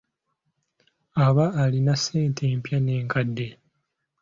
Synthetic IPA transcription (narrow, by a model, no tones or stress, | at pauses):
aβaːlinaseːntʰe̞ːmpjane̞ːŋkadːe̞